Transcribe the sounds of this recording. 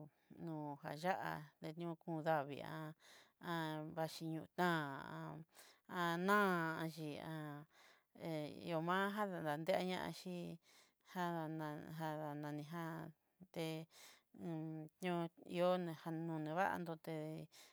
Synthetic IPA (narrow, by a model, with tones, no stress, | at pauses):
nũː˨ɦa̰˧˨ʒa˦ʔa̰˧t̪e˧t̪ɲ˦ũ˧kũ˧ða˦βḭ˧˨ã̰˧ã˧βa˧ʃi˧ɲũ˧ʔt̪ãː˦˨ã˧ã˧nã˦˧ã˧ʒi˧ã˧ | e˧ḭ˧o˧mã˦ɦa˦ða˧nd̪a˨nd̪e˦ʔa˦˧ɲã̰˦ʔã̰˧ʃi˦ | ha˦ã˧ɦa˧ða˧nã˧nĩ˧ɦa˦ | t̪ẽ˧ | t̪ɲ˦ũ˦ḭ˧o˦nẽ˧ha˧nũ˧nẽ˧βa˦ʔa̰˧nd̪o˧t̪e˧